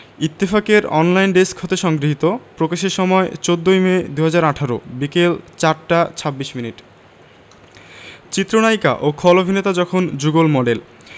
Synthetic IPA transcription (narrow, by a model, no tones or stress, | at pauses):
it̪ːifakeɾɔnlajnɖeskɦot̪eʃɔŋɡɾiɦit̪opɾokaʃeɾʃɔmɔet͡ɕod̪ːojmed̪uɦad͡ʑaɾaʈʰaɾo̰bikelt͡ɕaɾʈat͡ɕʰabːiʃminiʈ | t͡ɕit̪ːɾonajka̰ʔokʰɔlobʱinet̪ad͡ʑɔkʰond͡ʑuɡolmɔɖel